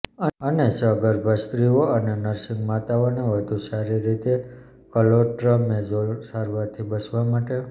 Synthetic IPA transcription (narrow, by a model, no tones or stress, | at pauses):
əənesəɡəɾbʱəst̪ɾioənenəɾʃiŋɡmat̪aoneʋəd̪ʱusaɾiɾit̪e | kəloʈɾəmed͡ʒosaɾʋaɾt̪ʰibəsʋamaʈe